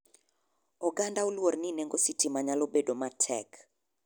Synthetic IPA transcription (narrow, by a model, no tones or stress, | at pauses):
ɔɡandaolwornineŋɡositimaɲalobedomatʰɛ̰k